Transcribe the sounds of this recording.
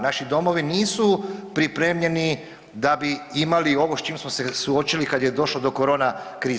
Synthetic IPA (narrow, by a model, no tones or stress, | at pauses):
naʃid̪o̞mo̞ʋiniːsupɾipɾe̞ːmʎe̞ni | d̪abiimalio̞ʋost͡ʃiːmsmosesuo̞t͡ʃilikad̪je̞d̪o̞ʃlod̪o̞koɾo̞ːnakɾiː